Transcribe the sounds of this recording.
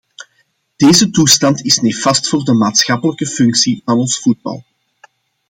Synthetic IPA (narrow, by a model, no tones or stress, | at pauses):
d̥eːzətustɑntɪsnefɑstfʊːrdəmaːtsxɑpələkəfʏŋksivɑnɔnsfud̚bɑ̰lˠ